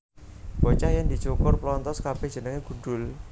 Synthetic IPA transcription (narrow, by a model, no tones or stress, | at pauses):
b̥ɔt͡ʃahjaŋd̪i̤t͡ʃukʊrplɔnt̪ɔskab̥ed̥ʒ̥ə̤nəŋeɡ̥ṳɖ̪ʊl